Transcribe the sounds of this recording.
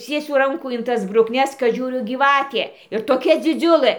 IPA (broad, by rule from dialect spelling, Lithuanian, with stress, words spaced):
ˈt͡sʲiɛsʲʊ ˈrɐŋkuː ɪn ˈtɐs brʊkˈnʲɛs kɐt ˈʒʲuːrʲʊ ɡʲiːˈʋɑːtʲeː ɪr toːˈkʲɛ d͡zʲɪˈd͡zʲʊlˠɘ